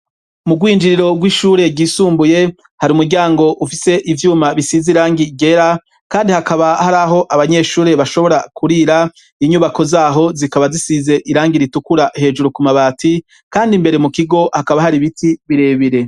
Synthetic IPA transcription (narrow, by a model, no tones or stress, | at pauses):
muɡwiːnd͡ʒiɾiɾo̞ɡwiʃuːɾe̞ɟiːsuːmbuje̞ | haɾiumuɾɟaːŋɡo̞ʔufise̞ʔivjuːmaβisiziɾaːŋɡiɟe̞ɾa | kaːndihakaβahaɾaɦo̞ʔaβaɲe̞ːʃuːɾe̞βaʃo̞βo̞ɾakʰuɾiɾa | iɲuβako̞zaːɦo̞zikaβazisize̞ʔiɾaːŋɡiɾitukuɾahe̞ːd͡ʒuɾukumaβaːtʰi | kaːndimbe̞ɾemukiɡo̞hakaβahaɾiβitʰiβiɾe̞βiɾe̞